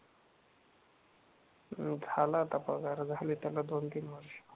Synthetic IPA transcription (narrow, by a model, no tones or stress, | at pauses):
d͡zʱalaːt̪apəɡaɾd͡zʱalit̪alad̪ont̪inməɾi